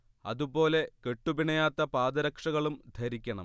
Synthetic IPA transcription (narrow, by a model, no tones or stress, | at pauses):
ɐ̰ðubo̞ːle̞ke̞ʈːubiɳɐjaːt̪ːɐpaːd̪ɐɾɐkʂɐɣɐɭumd̪ʱɐɾikʲːɐɳɐ̰m